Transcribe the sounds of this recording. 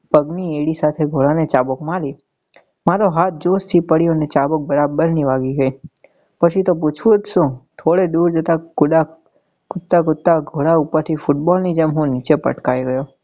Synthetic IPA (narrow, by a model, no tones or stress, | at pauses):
pəɡnieɽisat̪ʰeɡʱoɭanet͡ʃabkmaɾi | maɾoɦat̪̚d͡ʒost̪ʰipəɽijonet͡ʃabək̚bəɾabəɾniʋaɡiɡəi | pət͡ʃʰit̪op̬ut͡ʃʰũt̪ʃõt̪ʰoɭed̪uɾd͡ʒət̪akʊɖa | kʊt̪ːakʊt̪ːaɡʱoɽaupəɾt̪ʰifuʈbɔlnid͡ʒəmɦũnit͡ʃepə̰ʈkajɡəjo